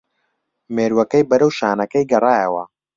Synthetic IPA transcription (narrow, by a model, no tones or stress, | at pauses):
meːɾwɐkɐjbɐɾɐwʃaːnɐkɐjɡɐrˤaːjɐwɐ̰